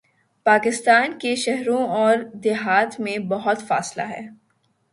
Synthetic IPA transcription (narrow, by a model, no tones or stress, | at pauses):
paːkɪst̪aːnkeʃɛɦɾõɔːɾd̪ɪɦaːt̪mẽbɐɦʊt̪fa̰ːsla̰ɦɛ̰ː